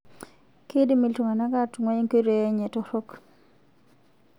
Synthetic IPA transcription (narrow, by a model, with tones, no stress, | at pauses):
ke˦di˦mi˨ltu˨ŋa˨na˦ɡa˦tu˨ŋa˦i˦ŋko˦ɾe˨ɛ˦ɲɛ˨tɔ˦ɾo˦k